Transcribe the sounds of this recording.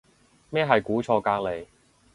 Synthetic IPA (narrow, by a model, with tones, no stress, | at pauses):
mɛː˥˩ɦɐ˨jkuː˨˥t͡ʃʰɔː˧kaː˧k̚le˨˩j